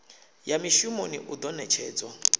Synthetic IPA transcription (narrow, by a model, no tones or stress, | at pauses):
jamiʃumonḭʔud̪ɔnɛt͡ʃʰɛːd͡zɔ